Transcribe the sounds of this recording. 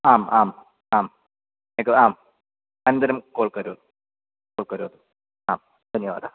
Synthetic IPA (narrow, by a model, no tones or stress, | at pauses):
aːmaːm | aːm | nekːɨaːm | ɐnnd̪ɐɾɐmkoːɭkɐɾuːɐðu | koːɭkɐɾuɐðu | aːm | t̪ɐnijɐʋa̰ːd̪a